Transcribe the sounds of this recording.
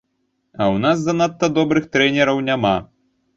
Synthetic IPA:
ɐwnasd̪ɐnat̪ːɐd̪ɔbɾɨxt̪ɾɛnʲɛɾɐwnʲama

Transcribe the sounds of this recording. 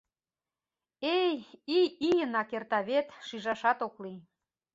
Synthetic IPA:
ejiijənɑkert̪ɑβet̪ʃiʒɑʃɑt̪okli

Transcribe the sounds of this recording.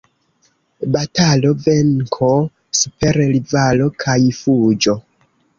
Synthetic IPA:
batalo̞ve̞ŋkʰo | supe̞ɾlivalo̞kʰajfud͡ʒo̞

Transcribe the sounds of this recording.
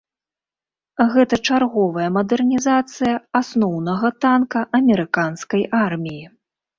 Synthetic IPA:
ɣɛt̪ɐt͡ʂarɣɔvɐjɐmɐd̪ɛrnʲizat̪sɨjɐasnɔwn̪ɐɣɐt̪ankɐʔɐmʲɛɾɨkanskɐjʔarmʲiji

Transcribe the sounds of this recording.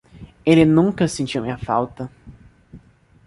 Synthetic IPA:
elɪnũŋkɐsẽnt͡ʃiwmĩɐfa̰wt̪ɐ

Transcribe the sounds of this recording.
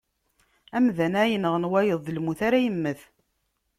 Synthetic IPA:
æmðænæjənəʁənwæjəðˤːəlmuθaɾæjəmːəθ

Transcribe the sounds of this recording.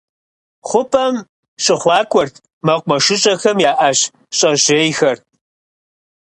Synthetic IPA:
χʷʊpʰʼɐm | ɕʼɪχʷɑːkʷʰʼɔrtʰ | mɐqʷmɐʃɪɕʼɐxɐmjaːʔaɕ | ɕʼɐʑeːjxɐr

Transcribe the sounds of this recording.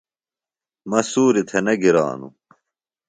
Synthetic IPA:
mɐsuːɾit̪ʰenɐɡiɾa̰ːnṵ

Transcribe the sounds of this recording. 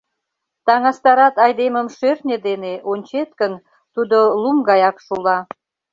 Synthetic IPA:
t̪ɑŋɑst̪ɑɾɑt̪ɑjd̪eməmʃørnʲed̪eneʔonʲt͡ɕet̪̚kən | t̪ud̪olumɡɑjɑkʃulɑ

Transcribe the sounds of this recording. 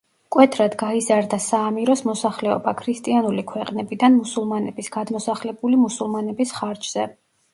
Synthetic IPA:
kʼwɛt̪ʰɾad̪ɡaizaɾd̪asaːmiɾɔsmɔsaχlɛɔ̰bakʰɾist̪ʼianulikʰwɛqʼnɛbid̪anmusulˠmanɛbisɡ̥ad̪mɔsaχlɛbulimusulˠmanɛbisχaɾd͡ʒz̥ɛ

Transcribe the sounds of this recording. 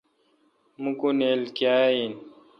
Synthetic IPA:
mukunelkjaːin

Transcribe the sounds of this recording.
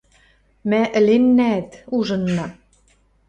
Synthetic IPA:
mæʔɘ̆lenːæt̪uʒɤ̆nːɑ

